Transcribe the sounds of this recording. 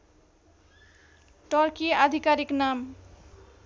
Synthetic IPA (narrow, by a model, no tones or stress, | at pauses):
ʈɔɾkiad̪ʱikaɾiknam